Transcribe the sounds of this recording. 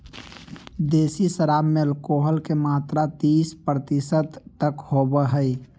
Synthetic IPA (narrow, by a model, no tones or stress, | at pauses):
d̪eːsisəɾaːmːeəlkoːɦəlkemaːt̪ɾat̪iːspɾət̪isət̪ːəkhobəɦəj